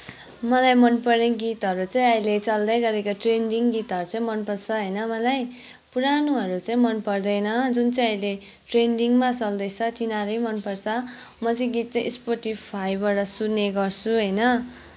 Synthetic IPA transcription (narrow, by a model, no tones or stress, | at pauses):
mʌlajmʌnpʌrneɡit̪ʌɾut͡sãĩʌjlet͡sʌld̪ʌjɡʌɾekoʈrenɖiŋɡit̪ɦʌɾut͡sãĩmʌnpʌrt͡sʰʌɦʌjnʌmʌlaj | puɾanuɦʌɾut͡saĩmʌnpʌrd̪ʌjnʌd͡zunt͡sʌĩʌjle | ʈrenɖiŋmat͡sʌld̪ʌjt͡sʰʌt̪inaɾʌjmʌnpʌrt͡sʰʌmʌt͡sʌĩɡit̪̚t͡sʌĩspoʈipʰajbaɽʌsudneɡʌrt͡sʰuɦʌjnʌ